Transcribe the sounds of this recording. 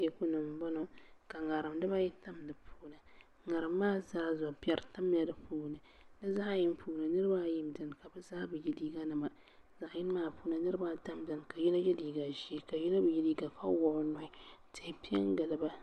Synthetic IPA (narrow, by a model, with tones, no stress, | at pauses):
jɛ˨ku˦nɨ˨mbɔ˦nɔ˨ka˨ŋa˨ɾɨ˨mdɨ˦ba˦jɛ˦ta˦mdɨ˨pʰuː˦nɨ˨ | ŋa˨ɾɨ˨mː˦aː˦zaː˦zɔ˨pi˦ɛ˦ɾta˦m˦a˨dɨ˨puː˦nɨ˨ | nɨ˦za˦ʔa˦jɪ˦n˦puː˦nɨ˨nɨ˦ɾɨ˦ba˦˨ji˦mdɨ˨nka˨bɨ˦zaː˦bɨ˨ji˦diː˦ɡa˦nɨ˨ma˨ | za˨ʔjɪ˦n˦maː˦pu˦nɨ˨nɨ˦ɾɨ˦ba˦ta˦mdɨ˨nka˨ji˦na˦jɛ˦diː˨ɡa˨ʒi˦ka˨ji˦na˦bɨ˨ji˦diː˦ɡa˨kʰa̰˦wɔ˨ʔnɔ˦ɪ˦tɛ˨hpi˦ɛ̰˦ŋ˦ɡɨ˨lɨ˦ba˦